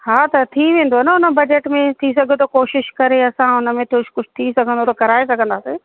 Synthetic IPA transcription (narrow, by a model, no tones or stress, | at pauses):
ɦaːt̪ɐt̪ʰiʋẽːn̆d̪oɐnʊnəbɐd͡ʑeʈmẽt̪ʰis̬ɐɡʱə̃nt̪okoːʃɪʃkɐɾeɐsãʊnə̆mẽt̪ʰʊʃʰkʊd͡ʑʰt̪ʰisɐɡʱə̃nd̪ot̪ʰokɐɾaːesɐɡʱə̃nd̪aːseː